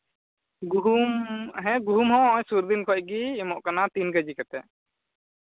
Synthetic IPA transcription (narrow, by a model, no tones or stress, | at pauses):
ɡuɦumɦɛ̃ɡuɦumɦɔ̃ɔ̃ɲsuɾd̪inkʰɔc̚ɡiːmɔʔkanat̪inkəd͡ʒikat̪ɛ